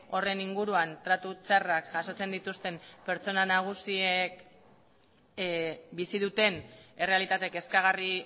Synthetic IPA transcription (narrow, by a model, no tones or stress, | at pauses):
o̞re̞niŋɡuɾuant̪ɾat̪ut͡sarakʝaso̞t͡se̞nd̪it̪ust̪e̞mpe̞ɾt͡ʃo̞nanaɣ̞usiek | bisiðut̪e̞ne̞re̞alit̪at̪e̞ke̞skaɣ̞ari